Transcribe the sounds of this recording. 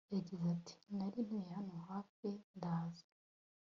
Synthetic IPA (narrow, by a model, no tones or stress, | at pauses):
jaɟizatʰi̥naɾinwehanohaːfendaːzḁ